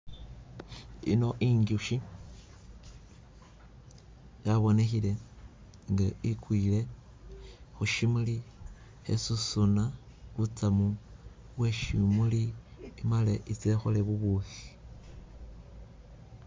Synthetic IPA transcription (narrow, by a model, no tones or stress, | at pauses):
ḭnoʔiŋɡuʃi | jaβo̞ne̞xile̞ | ŋɡaikwiːle̞ | xuʃimuli | ḛsusuna | βut͡samu | βweʃimuliimaleʔit͡sexoleβuβuθi̥